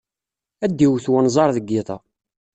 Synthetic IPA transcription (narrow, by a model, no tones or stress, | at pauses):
æd̪ːiwθwænzˤɑɾˤðəɡːɪðˤɑ̰